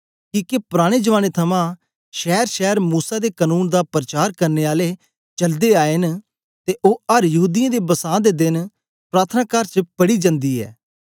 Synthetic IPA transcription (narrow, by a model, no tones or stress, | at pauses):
kiːkepʊɾaːɽ̃eːd͡ʒəʋaːnet̪ʰəmãː | ʃɛːɾʃɛːəɾmuːsaːd̪eːkənuːnd̪aːpɾət͡ʃaːɾkəɾneːaːle | t͡ʃəld̪eːaːen | t̪eʔoːəɾjəɦuːd̪ɪãːd̪eːbəsãːd̪eːd̪ɪn | pɾaːt̪ʰnaːkaɾt͡ʃəpəɽiːd͡ʒə̃nd̪iːɛ̰ː